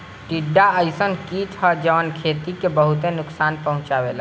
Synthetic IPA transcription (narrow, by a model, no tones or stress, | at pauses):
ʈiɖːaəɪsənkit͡ʃʰəd͡ʒəʋənkʰeːt̪ikebəɦut̪enʊksaːnpəɦʊ̃t͡ʃabela